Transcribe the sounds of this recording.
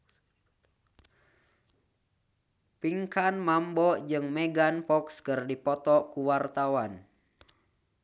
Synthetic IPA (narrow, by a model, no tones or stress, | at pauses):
piŋkanmambɔd͡ʒɨŋmɛɡanpɔkskɨrdipɔt̪ɔkuwart̪awan